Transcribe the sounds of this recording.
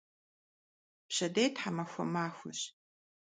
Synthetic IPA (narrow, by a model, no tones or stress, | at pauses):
pɕɐdejtʰħamɐxʷɐ̰maːxʷʊɕ